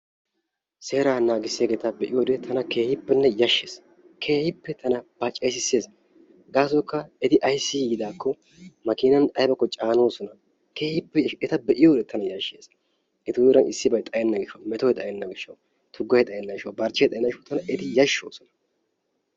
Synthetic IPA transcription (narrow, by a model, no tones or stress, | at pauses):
se̞ːɾaːnaːɡɪsːeɡɛt̪ɐbɛʔɪjoːd̪ɛt̪ʰɐnɐke̞ːhɪpːɛnːɛjɐʃːeːs | kʰeːhɪpːɛt̪ʰɐnɐb̥ɐt͡ʃʼeːsɪsːe̞ːs | ɡaːs̬ɔkːɐɛd̪ɪʔɐjsːɪɡɪd̪aːkʰːɔ | mɐkɪnɐnɐjbɐkːɔt͡ʃʼaːno̞ːsɔnɐ | ke̞ːhɪpːɛɛt̪ɐbɛʔɪjoːd̪ɛt̪ʰɐnɐjɐʃːeːs | ɛt̪ʊwɾɐnɪsːɪbɐjt̪ʼɐjɛnːɐɡɪʃːɐwmɛt̪ojɛt̪ʼɐjɛnːɐɡɪʃːɐw | t̪ʰʊɡːɐjɛt̪ʼɐjɛnːɐɪʃɐwbɐɾt͡ʃːɐjɛt̪ʼɐjɛnːɐɪʃɐwt̪ɐnɐʔɛt̪ɪjɐʃːo̞ːsɔnɐ̥